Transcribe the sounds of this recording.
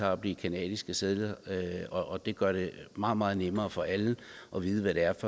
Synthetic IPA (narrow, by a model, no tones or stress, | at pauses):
ɑ̈ɒb̥̚d̥ikʰænɛ̰ːð̥ˠisɡ̥əseðlɐɒʔːd̥e̝ɡ̥ɶɐɾ̥e̝mɑ̈ːð̩ˠmɑ̈ːð̞̩ˠnemɐːfɒ̽ʔælʔɒ̽ʋiːð̞ˠəʋæɾe̝æɐfɒ̽